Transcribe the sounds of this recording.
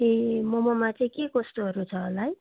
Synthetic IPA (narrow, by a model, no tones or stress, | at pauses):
emʌmʌmat͡sʌĩkeɡosʈoɦʌɾut͡sʰʌːlaj